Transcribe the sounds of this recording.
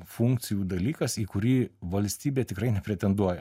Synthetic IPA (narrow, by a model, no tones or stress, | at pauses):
fuŋk̚t̪sʲɪjuːd̪ɐlʲiːkɐsiːkʊɾʲiːʋɐlʲsʲt̪ʲiːbʲeːt̪ʲɪkɾɐɪnʲɛpʲɾʲɛt̪ʲɛnd̪uɔjɛ